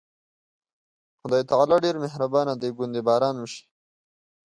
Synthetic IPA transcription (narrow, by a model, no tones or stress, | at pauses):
xʊd̪aːjt̪alaːɖeɾmeɦɾabaːnad̪eɡʊnd̪ebaːɾaːnməʃi̥